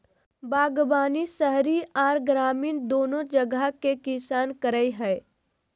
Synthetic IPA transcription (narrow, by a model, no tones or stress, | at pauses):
baːɡbaːnisəɦɾiʔɔːɾɡɾaːmiːnd̪oːnõd͡ʒəɡakekɪsaːnkəɾəiɦɛː